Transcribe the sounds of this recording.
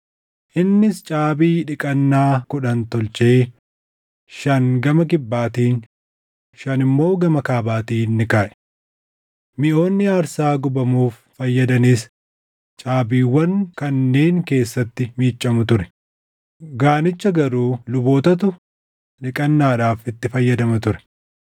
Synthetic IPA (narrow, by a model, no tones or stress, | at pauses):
ʔɪnːɪst͡ʃʼaːbiːᶑɪkʼɐnːaːkʊᶑɐnt̪ɔlt͡ʃe̞ː | ʃɐnɡɐmɐkɪbːaːt̪iːn | ʃɐnɪmːo̞ːɡɐmɐkaːbaːt̪iːnːɪkaːʔɛ̥ | mɪʔo̞ːnːɪaːɾsaːɡʊbɐmuːfːɐjːɐd̪ɐniːs | t͡ʃʼaːbiːwːɐŋkɐnːe̞ːŋke̞ːsːɐt̪ːɪmiːt͡ʃʼːɐmʊt̪ʊɾɛ | ɡaːnɪt͡ʃːɐɡɐɾuːlʊbo̞ːt̪ɐt̪̬ʊ | ᶑɪkʼɐnːaːᶑaːfɪt̪ːɪfɐjːɐd̪ɐmɐt̪ʊɾɛ̥